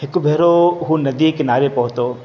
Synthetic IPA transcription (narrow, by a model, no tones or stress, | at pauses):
hɪkubʱeɾoɦunɐd̪ikɪnaːɾepɔɦt̪oː